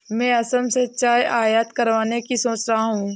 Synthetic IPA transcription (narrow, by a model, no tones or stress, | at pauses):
mɛ̃ːɐsəmset͡ʃaːjʔaːjat̪kɐɾʋaːnekisoːt͡ʃɾaɦaɦũː